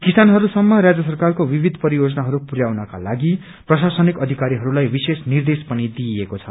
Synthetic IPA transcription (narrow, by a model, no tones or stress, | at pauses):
kisanɦʌɾusʌmːʌɾad͡zjʌsʌrkarkobibʱid̪ʱpʌɾijod͡zʌnaɦʌɾupuɾjawnʌka̰laɡi | prʌsasʌnikʌd̪ʱikaɾiɦʌɾulajbisesnird̪espʌnid̪iekot͡sʰʌ